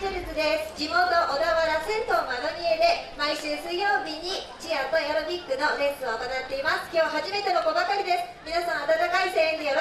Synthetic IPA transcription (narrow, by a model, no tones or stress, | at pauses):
eɾesɨd̪esɨ̥d͡ʑimo̞ːt̪o̞ʔod̪aβaɾasẽ̞nsomanoɲ̟ie̞d̪e̞maiɕɨːsɨijo̞ːbʲiɲ̟i | d͡ʑiat̪ojoɾobʲikːɯ̟no̞ɾẽ̞ɰ̃sɨoːt̪onat̪ːe̞imasɨ̥kʲo̞ːɦaʑime̞t̪e̞momobakaɾʲid̪e̞sɨ̥mʲinasãɰ̃at̪at̪akaisẽijoɾ